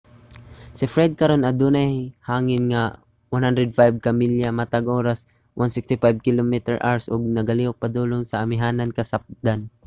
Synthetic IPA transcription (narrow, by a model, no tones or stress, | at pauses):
sɪfɾɛd̪̚kɐɾonɐd̪uːnahhaːŋɪnŋa | wanhand̪ɾɛd̪̚fajb̚kamiljamat̪aɡʔoːɾas | wʔansɪkst̪ɪfajb̚kɪlomit̪ɛɹʔa̰ɹsʔʊɡ̚nɐɡaliːʔʊk̚pad̪uːlʊnsɐːmɪɦaːnankɐsap̚d̪an